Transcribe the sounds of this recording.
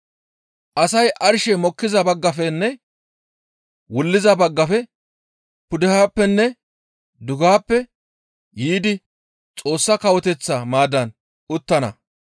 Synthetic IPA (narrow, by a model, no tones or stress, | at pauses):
ʔɐsɐjʔɐɾʃɛmɔkːɪzɐbɐɡːɐfɛnːɛ | wʊlːɪzɐbɐɡːɐfɛ | pʊd̪ɪhaːpːɛnːɛ | d̪ʊɡaːpːɛ | jiːd̪ɪ | t͡sʼo̞ːsːɐkɐwɔt̪ɛt͡sːɐmaːd̪ɐn | ʊt̪ːɐnɐ̰